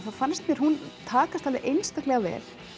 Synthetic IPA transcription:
θafanst̪mjɛɾ̥hunt̪ʰaːkast̪ʰalvɪʔejnst̪aklɛɣavɛ̰ːl̥

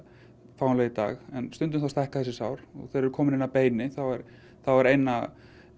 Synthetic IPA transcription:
fawnlɛɣɪt̪a̰ːɣɛnst̪ʏnt̪ʏmθawst̪ɛhkaθɛs̬ɪsawɾ̥ɔ̰ɣθejɾɛɾʏkʰɔːmɪnɪnapeːjnɪθawɛɾ | θawvaɾejnːa

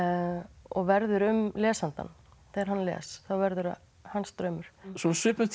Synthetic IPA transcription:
ɔɣvɛɾðʏɾʏmlɛːsant̪a̰nː | θeɾɦanːlɛ̰ːsθawvɛɾðʏɾa | hanst̪ɾœːɥmʏɾ̥sɔsʏːpʏt̪

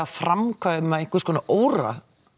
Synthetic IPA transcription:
afɾamkʰaːɪmaeŋkvʏɾskɔnaʔoːwɾa̰

